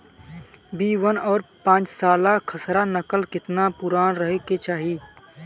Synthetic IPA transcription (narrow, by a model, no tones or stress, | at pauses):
biːʋənɔːɾpãːt͡ʃsaːlakʰəsɾanɐkəlkɪt̪napʊɾaːnɾəɦeket͡ʃaːɦiː